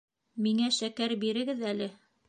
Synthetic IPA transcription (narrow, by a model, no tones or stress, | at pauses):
miŋæʃækæɾbiɾɘ̆ɡɘðælɘ